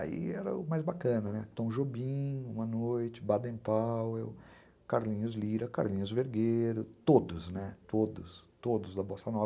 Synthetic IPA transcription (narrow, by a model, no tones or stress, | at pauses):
a̰ḭɛɾɐ̰ʊmajzbakɐ̃nɐnɛt̪õw̃ʒobĩũmɐnojt͡ʃɪ̥bad̪ẽpawew | kaɾlĩɲʊzliɾɐka̰ɾlĩɲʊzveɾɡeɾʊt̪od̪ʊznɛt̪od̪ʊst̪od̪ʊzd̪ɐbosɐnɔ